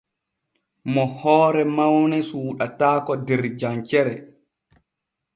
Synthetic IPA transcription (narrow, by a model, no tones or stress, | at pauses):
mɔhɔːɾɛmawnɛsuːɗataːkɔdɛɾd͡ʒant͡ʃɛɾɛ